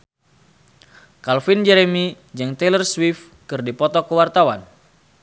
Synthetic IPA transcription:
kalfind͡ʒɛɾemi | d͡ʒaŋt̪elərswif | kɨrdipɔt̪ɔkəwart̪awan

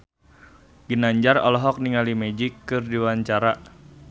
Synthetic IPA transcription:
ɡ̥inaɲd͡ʒarɔ̰lɔɦɔk̚niŋalimed͡ʒikːɨrdiwaɲt͡ʃaɾa

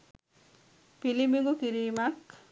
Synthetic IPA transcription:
pilimiŋɡukiɾiːmak

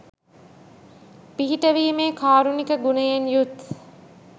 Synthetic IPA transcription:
piɦiʈəʋiːmeːkʰaːɾunikəɡunəjenjut̪

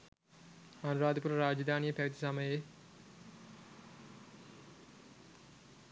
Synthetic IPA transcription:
ɐnuɾaːd̪əpuɾɐɾaːd͡ʒɐd̪ʱaːnijəpæʋit̪i̥saməje

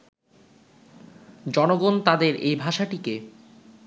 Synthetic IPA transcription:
d͡ʑɔnoɡont̪ad̪eɾejbʱaʃaʈike

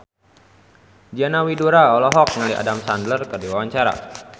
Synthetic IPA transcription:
d͡ʒianawiduɾaɔlɔɦɔk̚ŋəliʔa̰damsandlərkərdiwawaɲt͡ʃaɾa̰

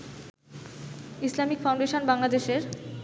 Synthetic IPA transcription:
islamikfaw̃ɳɖeʃonbaŋlad̪eʃeɾ

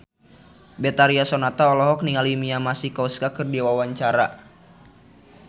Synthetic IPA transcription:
bɛt̪aɾiasɔnat̪aɔlɔɦɔk̚niŋalimiamasikɔskakɨrdiwawaɲt͡ʃaɾa

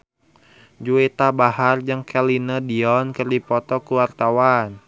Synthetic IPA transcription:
d͡ʒuet̪abaɦard͡ʒəŋkʰɛlinədiɔnkərdipɔt̪ɔkuwart̪awan

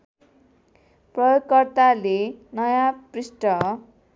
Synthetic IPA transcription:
prʌjoɡkʌrt̪alenʌjaprisʈʌ

